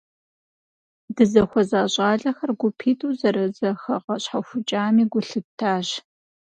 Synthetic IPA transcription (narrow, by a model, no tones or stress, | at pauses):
dɨzɐxʷɔzaːɕʼaːɮɐxɐrɡʷʊpʰiːtʰʼuːzɐɾɐzɐxɐʁɐɕħaxʷʊt͡ʃʼaːmiːɡʷʊɬɨtʰːaːʑ